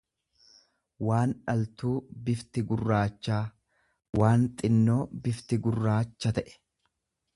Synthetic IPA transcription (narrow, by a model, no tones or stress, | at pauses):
waːnᶑɐlt̪uːbɪft̪ɪɡʊrːaːt͡ʃːaː | waːnt̪ʼɪnːoːbɪft̪ɪɡʊrːaːt͡ʃːɐt̪ɐʔɛ̥